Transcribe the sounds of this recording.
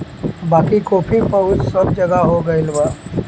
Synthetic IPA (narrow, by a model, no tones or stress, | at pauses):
baːkikoːpʰipəʊd͡ʒsəbd͡ʒəɡaɦoɡəɪlba